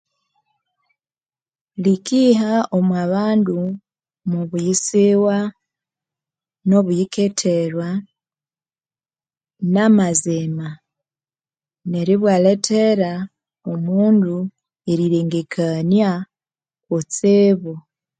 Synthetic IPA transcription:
likiɦaomwaβaːndu | muβujisiwa | no̞βujiketʰeɾwa | namazema | ne̞ɾiβwaːletʰeɾa | omuːndu | eɾiɾeːŋɡekʰanja | kot͡seːβo

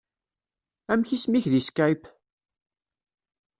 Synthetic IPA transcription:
æmçismiçðiskajp

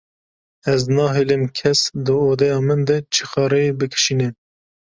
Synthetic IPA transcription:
ɛznɑːɦeːlemkʰɛsd̪ɨoːd̪ɛjɑːmɨnd̪ɛt͡ʃʰixɑːɾɛjebɨkʰɨ̥ʃiːnɛ

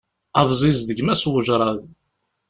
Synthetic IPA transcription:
ɑvzˤizðəɡmæswəʒɾˤɑð

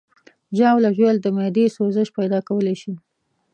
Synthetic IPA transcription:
ʒɑwlaʒweld̪əmɑd̪esozəʃpajd̪ɑkawəleʃi

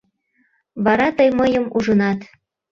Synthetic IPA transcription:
βɑɾɑt̪ɤjməjəmuʒɤ̆nɑt̪

